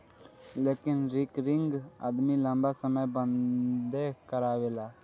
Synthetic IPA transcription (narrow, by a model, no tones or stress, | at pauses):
leːkɪnɾɪkɾɪŋɡa̰d̪milə̃mbaːsəməjbənd̪eːkəɾaːʋeːlaː